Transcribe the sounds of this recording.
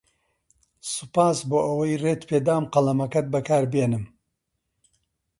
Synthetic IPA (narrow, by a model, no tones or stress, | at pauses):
sɨpaːsboːʔɐwɐjreːt̪pʰeːd̪aːmqɐlɐmɐkɐt̪̚bɐkʰaːɾbjenɨm